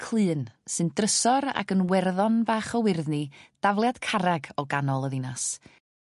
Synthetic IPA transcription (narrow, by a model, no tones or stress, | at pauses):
kʰl̥ˠɨːnsɨndrəsɔɾa̰ɡənwɛrðɔnbaːχɔwɪrðnid̥avlˠjad̥kʰaɾaɡɔɡanɔlˠəðɪnas